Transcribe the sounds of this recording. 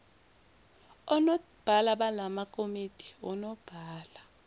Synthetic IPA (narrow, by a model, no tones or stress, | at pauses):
ɔnɔ | b̥ʱalaɓalamakʼomid̥ʱi̥ɔ̰nɔb̥ʱaːla